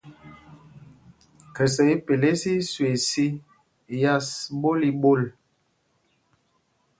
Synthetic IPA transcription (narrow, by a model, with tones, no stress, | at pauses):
kɛ˨s̬ə˨i˦pe˨le˦si˦swe˨si˦ | ja˦sɓo˦li˦ɓo˦˨l